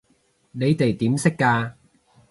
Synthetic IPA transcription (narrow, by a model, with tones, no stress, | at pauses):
ne˨˧jt̪e˨˩jt̪iː˨˥msɪ˥kːaː˧